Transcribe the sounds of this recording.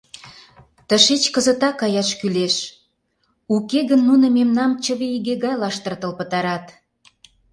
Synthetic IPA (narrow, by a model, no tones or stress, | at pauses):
t̪əʃet͡ɕkəzə̆t̪ɑkːɑjɑʃkyleʃ | ukeɣənːunə̆memnɑmt͡ɕə̆βeiɣeɣɑjlɑʃt̪ərt̪ə̆lpət̪ɑɾɑt̪